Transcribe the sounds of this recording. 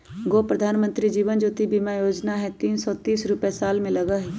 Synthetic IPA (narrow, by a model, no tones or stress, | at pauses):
ɡoːpɾəd̪ʱaːnmə̃nt̪ɾid͡ʒiːʋənd͡ʒoːt̪ibiːmajoːd͡ʒnaɦɛt̪iːnsɔːt̪iːsɾʊpɛsaːlmẽlɐɡaɦɛ